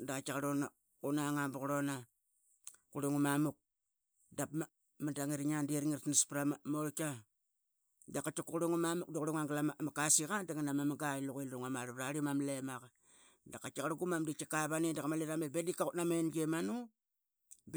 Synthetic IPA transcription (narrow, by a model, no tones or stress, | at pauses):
daat͡ʃakaɾona | unaŋabuɣɾona | kuɾeŋumamuk̚ | dapma | madaŋiɾɲandiɾŋiɾtnispɾamamoɾka | dakːat͡ʃakukuɾuŋumamuk̚daɣuɾoŋaŋɡalamamakasiɣadaŋanamamaɡailuɣilɾuŋamaɾaɾaɾimamlemaka | dakat͡ʃakaɾaɡumamdit͡ʃakaβanidakamaliɾamebedikautnamenɡemanu | b